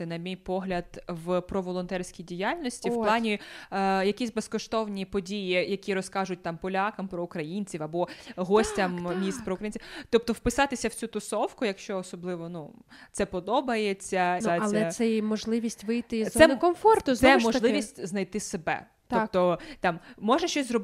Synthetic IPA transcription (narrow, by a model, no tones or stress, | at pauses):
ɪnɐmʲijpɔɦlʲɐd̪̥ʋpɾɔʋɔlˠɔnt̪ɛrʲsʲkʲijdʲijalʲnɔsʲtʲiw̥pplˠɑnʲijɐkʲisʲbeskɔʃt̪ɔwnʲipɔdʲijijɐkʲiɾɔskɑʒʊt̚ʲt̪ɑmpɔlʲɑkɐmpɾɔʊkɾɐjinʲt͡sʲiwɐbɔɦɔsʲtʲɐmmʲist̪̚pɾɔukɾɐjinʲt͡sʲit̪ɔp̚t̪ɔwpɪsɑt̪ɪsʲɐw̥t͡sʲut̪ʊsɔwkʊjɐkʃt͡ʃɔːsɔblˠɪʋɔnu | t̪sɛpɔd̪ɔbɐjet͡sʲːɐnɐɛsɛmɔʒlˠɪʋʲisʲtʲʋɪjt̪ɪzsɛkɔmfɔrt̪ʊzɛmɔʒlˠɪʋʲisʲtʲznɐjt̪ɪsebɛ̰ | t̪ɔp̚t̪ɔt̪ɑmːɔʒɐʃt͡ʃɔsʲzrɔb